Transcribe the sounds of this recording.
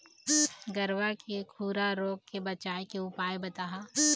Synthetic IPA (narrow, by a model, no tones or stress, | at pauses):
ɡɐɾʋakekʰuːɾaɾoːɡ̚kebɐt͡ʃaːekeʊpaːebɐt̪aːɦa